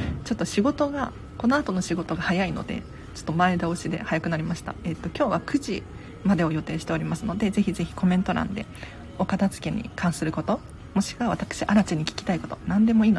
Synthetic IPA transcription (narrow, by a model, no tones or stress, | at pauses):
t͡ɕo̞t̪ːo̞ɕiɡo̞t̪o̞ɡa̰ | ko̞no̞at̪o̞no̞ɕiɡo̞t̪o̞ɡahajaino̞̰d̪e̞̰ | t͡ɕo̥t̪ːomae̞d̪aoɕid̪e̞̰hajakɯnaɾʲimaɕi̥t̪a̰et̪ːo̞kʲo̞ːβakɯ̟ʑi | mad̪e̞o̞jo̞t̪e̞ːɕi̥t̪e̞o̞ɾʲimasɨno̞d̪e̞ze̞çize̞çi̥ko̞mẽ̞nt̪o̞ɾã̰nd̪e̞̰ | o̞kat̪azɨ̥ke̞ɲ̟ḭkʰãɰ̃sɨɾɯ̟ko̞t̪o̞ | mo̞ɕi̥kaβ̞at̪akɯ̥ɕiʔaɾat͡ɕiɲ̟ːikʲi̥kʲi̥t̪aiko̞t̪onãnd̪e̞mo̞iːno